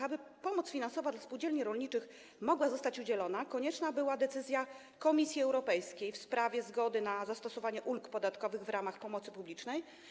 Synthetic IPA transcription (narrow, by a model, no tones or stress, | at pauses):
abɘpɔmɔt̪sfʲinansɔvad̪laspuwd͡ʑɛlɲiɾɔlɲit͡ʂɘx | mɔɡwazɔst̪at͡ɕud͡ʑɛlɔn̪akɔɲɛt͡ʂnabɘwad̪ɛt̪sɘzʲja | kɔmʲisʲjiɛwɾɔpɛjskʲejfspɾavʲjɛzɡɔd̪ɘnazast̪ɔsɔvaɲɛʔulkpɔd̪at̪kɔvɘɣvɾamaxpɔmɔt̪sɘpublʲit͡ʂnɛj